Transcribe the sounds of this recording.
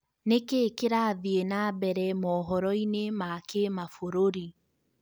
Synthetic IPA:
nekeːkeɾaðienabɛɾɛmɔːɦɔɾɔinemakemafoɾoɾi

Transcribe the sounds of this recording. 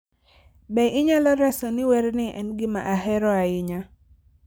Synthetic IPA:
bɛʔɪɲalɔɾɛsɔnɪwɛɾnɪʔɛ̰nɡɪma̰ʔaɦɛɾɔaɪɲa

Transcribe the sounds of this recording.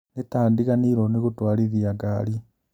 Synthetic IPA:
netaːndikaniɾonikutwaːliðiaɡaːli

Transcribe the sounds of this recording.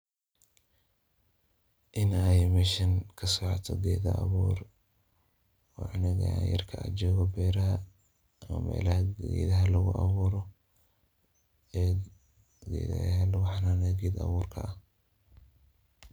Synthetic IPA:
ʔɪnɛjmɪʃɪnkʰɐsɔʕɔt̪ʰɔɡɛːðɐ̰ʔɐ̰βuːr | ɑːʔɐnɐɣɐjɐ̰rkʰɐɐd͡ʒɔːɣɔbɛːɾɐɦɐ | ɐmɐ̰mɛ̰ːlɐhɐɛːðɐɦɐlɐɣʊʔɑ̰βuːɾɔ | ɛː | ɡɛ̰ð̰ɦlɑħnaːnɛɡɛd̪ɐ̰βuːrkʰɐ̰ɐ

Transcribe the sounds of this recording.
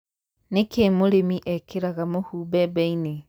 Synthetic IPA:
nekemoɾemiʔɛkʰeɾaɣamohuːbɛbɛine

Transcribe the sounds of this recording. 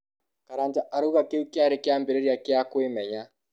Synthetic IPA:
kaɾantaʔaɾoɣakeukjaɾekeambeɾeɾiakeakwemɛɲa

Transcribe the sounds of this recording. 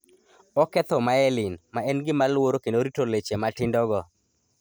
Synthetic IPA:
ɔkɛt̪ɔmaɛlɪnmaɛnɡɪmalwoɾokendoɾitolet͡ʃematɪndɔɡɔ

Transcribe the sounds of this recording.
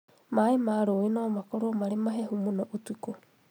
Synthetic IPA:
maemaɾoːenɔmakoɾomaɾemaɦeɦumonɔʔutiko

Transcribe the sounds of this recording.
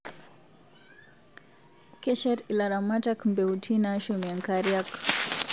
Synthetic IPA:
kɛʃaɾilaɾamatakmbɛutʰinaʃumjaŋkaɾjak

